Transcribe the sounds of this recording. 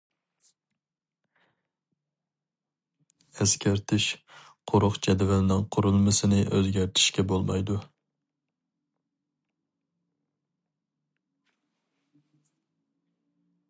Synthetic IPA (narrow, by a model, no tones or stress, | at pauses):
ɛskʲæɾt̪ʰɪʃ | qʰoɾʊqd͡ʒɛd̪vælɪnɪŋqʰʊɾulˠmɨsɨnɪʔøzɡʲæɾt̪ʰɪ̥ʃkʲɛbolˠmɑjd̪u